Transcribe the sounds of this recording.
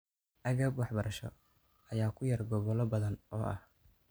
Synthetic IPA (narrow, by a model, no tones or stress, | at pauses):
ʔɐɣɐbwɑħbɐɾɐʃɔ̰ | ɐjaːkʰʊjɐrɡɔβɔlɔbɐðɐnɔːʔɐ̰h